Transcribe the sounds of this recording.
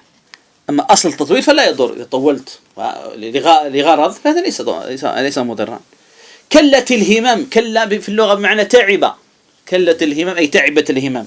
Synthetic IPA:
ʔamːaʔɑsˤlt̪ːɑt̪ˤwiːlfalajɑd̪ˤʊ̰ɾjɪ̰t̪ˤɑwːɑlt̪ː | ɣalɪɣɑɾˤɑðˤfahaːðalejsa̰sa̰lesamʊd̪ˤɨ̰rˤːɑ̰ːn | kalːat̪ɪlɦɪmamkalːabfilːʊɣabɪmaʕnat̪aʕɪba̰ | kalːat̪ɪlɦɪmaːmʔajt̪aʕɪbat̪ɪlhɪmam

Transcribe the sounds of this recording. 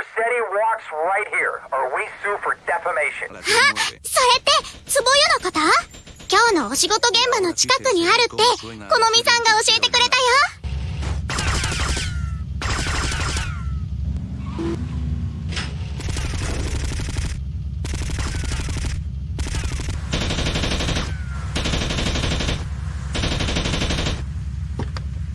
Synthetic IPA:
əsɛɾiwɔksɹaɪt̚hiɹə˞wisufə˞dɛfəmeɪʃɨ̰̃nhaso̞ɾe̞t̪e̞sɨbojɯno̞kat̪akʲo̞ːno̞ːɕiɡo̞t̪o̞ɡẽ̞mbano̞t͡ɕi̥kakɯ̟ɲ̟iaɾɯ̟t̪ːe̞ko̞no̞mʲisãŋɡao̞ɕie̞t̪e̞kɯ̟ɾe̞t̪ajo

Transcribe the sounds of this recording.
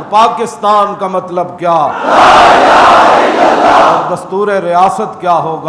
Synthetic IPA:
ɾpaːkɪst̪aːnkamɐt̪ləbkjaː | ɔɾd̪ɐst̪uːɾeɾijaːsət̪kjaːɦoːɡa

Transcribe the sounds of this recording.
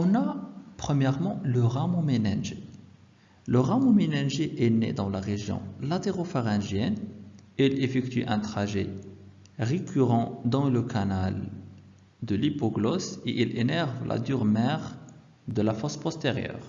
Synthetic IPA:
ɔ̃napχəmjɛʁmɑ̃ləʁamɔ̃menaʒe | ləʁamɔ̃menaʒeʔɛnḛd̪ɑ̃laʁeʒjɔ̰̃lat̪eʁofaʁɛ̃ʒjɛneilefɛkt̪yʔɛ̃t̪χaʒe | ʁekʰyʁɑ̃d̪ɑ̃ləkʰanal | d̪əlipɔɡlɔseʔilenɛʁvlʔa̰d̪yʁmɛʁ | d̪əlafɔspɔst̪eʁjœ̰ːʁ

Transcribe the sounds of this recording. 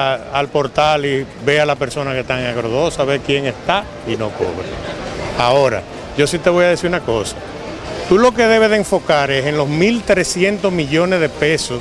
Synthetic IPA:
alpo̞ɾt̪ali | be̞alape̞ɾso̞nake̞st̪aaɣɾoðo̞saβekje̞ŋe̞st̪a | ino̞ko̰βɾḛao̞ɾa̰ | ʝo̞sit̪e̞βo̞jaðesiɾunako̞sḁ | t̪ulo̞ke̞ðe̞βeðeːɱfo̞kaɾe̞seŋlo̞smilt̪ɾe̞sje̞nt̪o̞zmiʝo̞ne̞zðe̞pe̞sos

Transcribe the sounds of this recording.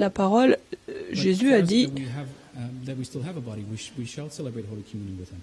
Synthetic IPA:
lapaʁɔlʒezyad̪iiəv | ðəwistɪlˠəvəbɑɾiwɪʃwiʃəlˠsɛləbɹeɪt̚hoʊlikʰəmjʉ̃ñnwɪð̥ɪ̃m

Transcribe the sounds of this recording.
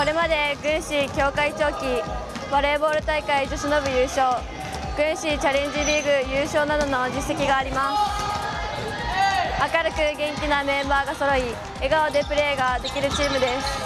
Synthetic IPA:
ko̞ɾe̞mad̪e̞ɡɯ̟̃ɰ̃ɕikʲo̞ːkait͡ɕo̞ːkʲi | b̥aɾe̞ːbo̞ːɾɯ̟t̪aikaid͡ʑoɕino̞bɯ̟jɯ̟ːɕo̞ː | ɡ̥ɯ̟̃ɰ̃ɕit͡ɕaɾẽ̞ɲ̟d͡ʑiɾʲiːɡɯ̟jɯːɕo̞ːnad̪o̞no̞d͡ʑisːe̞kʲiɡaːɾʲimasɨ̥ | akaɾɯ̟kɯ̟ɡẽ̞ŋkʲinamẽ̞mbaːɡaso̞ɾo̞i | eɡaod̪e̞pɯ̟ɾe̞ːɡad̪e̞kʲiɾɯ̟t͡ɕiːmɯ̟d̪e̞sɨ̥

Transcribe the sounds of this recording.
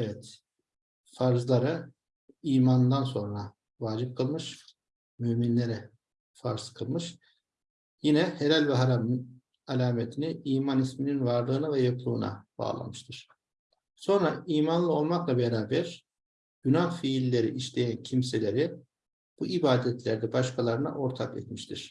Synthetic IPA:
evɛt̪ | faɾzlˠaɾɯ | iːmannd̪anso̞nɾa | vaːd͡ʒip̚kʰɯlˠmɯʃ | myminlʲeɾɛ | faɾzkʰɯlˠmɯʃ | jinɛheɾalʲvɛɦaɾamɯn | alʲaːmet̪ʰiniiːmanismininvaɾlˠɯːnavɛjoklˠuːna̰b̥a̰ːlˠa̰mɯʃt̪ʰɯɾ̥ | so̞nɾaiːmanlˠɯo̞lˠmaklˠabeɾaːbɛɾ̥ | ɟynaxfiːlʲːe̞ɾḭʔiʃlʲe̞jæncʰimse̞lʲe̞ɾi | b̥uʔibaːd̪ɛt̪lʲæɾd̪ɛbaʃkʰalˠaɾɯna̰ʔo̞ɾt̪ʰakɛ̰t̪miʃt̪ʰiɾ̥

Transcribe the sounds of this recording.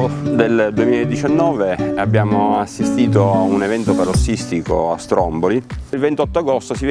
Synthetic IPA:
d̪eld̪uemiːlaed̪ːit͡ʃanːɔːveabːjaːmoasːist̪iːt̪ounevɛnt̪opaɾosːist̪iko̰ast̪ɾɔmbolilvent̪ɔt̪ːoaɡost̪osiv

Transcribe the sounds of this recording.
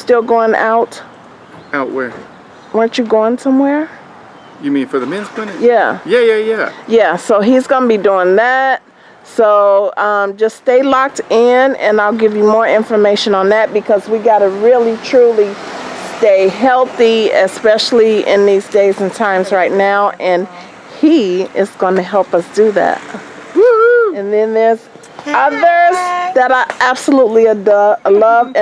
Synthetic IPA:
stɪlˠɡoʊɪ̃ŋa̰ʊt | aʊʔwɛ˞ | wə̃˞t͡ʃɨɡoʊɪ̃ŋsʌ̃mwɛɹ | jɨmĩnfə˞ðɨmɪ̃nz̥pʰɪ̃nɨjæjæjæjæjæsoʊizɡʌnəbiduɪ̃ŋðæt̚ | soʊʌ̃md͡ʒʌsteɪlɑk̚tɪ̃nɨ̰̃naɪlˠɡɪvjɨmɔɹɪ̃ɱfə˞meɪʃɨ̃nə̃nðɨt̚b̥ɨkʰʌzwiɡɑɾɨɹɪlˠitʰɹ̥ulˠisteɪɦɛlˠθiɪspɛʃl̩ˠiʔɪ̰̃nðizdeɪzɨ̃n̩tʰãɪ̃mzɹaɪtⁿnaʊʔɨ̃n | iɪzɡʌ̃nɨɦɛlˠpʌsd̥ɨðæ̰t̚ | ɨ̃nðɨ̃nðə˞z̥ | ʌðə˞zðɨɾə˞ʔæb̥səlutˡliəʌəlʌṽ

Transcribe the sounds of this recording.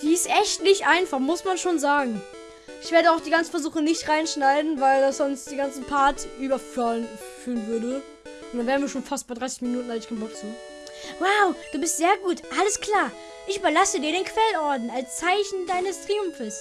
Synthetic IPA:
d̥iːɪstʔɛçtnɪçtʔaɪnfaχmʊsmanʃoːnzaːɡŋ̩ | ʔɪçv̥eːɐɾəaʊxd̥iːɡant͡sn̩fɛɐzuːxənɪçtʁaɪnʃnaɪdn̩vaɪldasz̥ɔnstd̥iːɡant͡sn̩pʰaɐtʔyːbɐfyn | fyːʁənvʏɐdə | ʔʊntd̥anveːʁnviːɐʃoːnfast̚b̥aɪdʁaɪsɪçminuːtn̩alɪkʰaɪnbɔk̚t͡suː | waʊd̥uːbɪstz̥eːɐɡuːtʔaləskl̥aːɐ | ʔɪçʔyːbɐlasədiːɐɾeːnkv̥ɛlnʔɔɐdn̩alst͡saɪçn̩daɪnəstʁ̥iːʊmfəs

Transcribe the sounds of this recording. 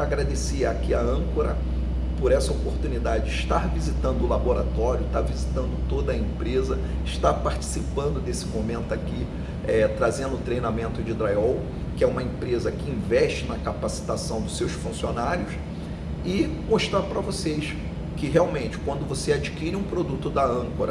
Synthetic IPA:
aɡɾad̪esiakiaɐ̃koɾɐ | poɾɛsɐopoɾt̪unid̪ad͡ʒɪd͡ʒɪɪʃt̪aɾvizit̪ɐ̃nd̪ʊlaboɾat̪ɔɾjʊʃt̪aɾvizit̪ɐ̃nd̪ʊt̪od̪ɐẽpɾezɐ | ɪʃt̪aɾpaɾt͡ʃi̥sipɐ̃nd̪ʊd̪esɪmomẽnt̪ʊaki | ɛt̪ɾazẽnd̪ʊʊt̪ɾejnamẽnt̪ʊd͡ʒɪd̪ɾajɔw | kɪɛũmɐẽpɾezɐkɪĩvɛʃt͡ʃɪnɐkapasi̥t̪asɐ̃w̃d̪ʊsewsfũsionaɾjʊs | ɪmoʃt̪ɾaɾpɾɐvoseʃ | kɪɦeawmẽnt͡ʃɪ̥kwɐ̃nd̪ʊvosead͡ʒikiɾɪũpɾod̪ut̪ʊd̪ɐɐ̃koɾɐ

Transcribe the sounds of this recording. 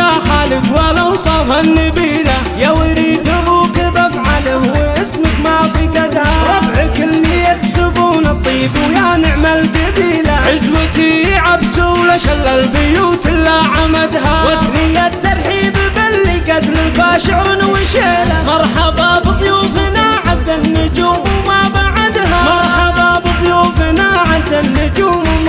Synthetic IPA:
aħalɪkwalawsˤɑːfhanːɪbiːla | jawɪɾiːt̪ɪbukɪbafʕalahwʔɪsmakmaʕafˤikad̪haɾɑbʕɪkɪlːijaksɪbuːnɑt̪ˤːiːbujanɪʕmalbɪbiːlaʕɪzwat̪iʕabsulaʃalːalbɪjuːt̪ɪlːaʕamad̪ɦawɪθnɪjːat̪ːɑɾˤħibɪbalːɪkat̪lɪlfaːʃɪʕɾɪnwɪʃeːlamɑɾˤħɑbɑbɨðˤjuːfɪnaʕad̪ːanːʊd͡ʒuːmmabaʕad̪ɦamɑɾˤħɑbɑbɨðˤjuːfɪnaʕad̪anːʊd͡ʒuːm

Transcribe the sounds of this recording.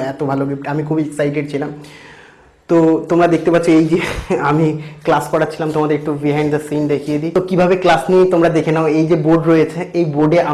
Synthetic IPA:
ɛt̪obʱaloɡipʈamikʰubieksajʈ̬eʈ̚t͡ɕʰilam | t̪ot̪omɾad̪ek̚t̪epatːʰoejd͡ʑeamiklaskɔɾatːʰilamt̪omad̪eɾek̚ʈubiɦãjɳɖd̪əsind̪ekʰijed̪it̪okibʱabeklasniet̪omɾad̪ekʰenaoejd͡ʑeboɖɾoet͡ɕʰeejboɖeʔa

